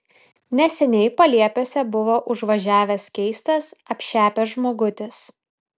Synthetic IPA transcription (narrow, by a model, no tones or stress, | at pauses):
nʲɛsʲɛnʲɛɪpɐlʲiɛpʲoːsʲɛbʊʋoːʔʊʒʋɐʒʲæːʋʲɛskʲɛɪst̪ɐsɐpʲʃʲæːpʲɛsʒmoːɡʊt̪ʲɪs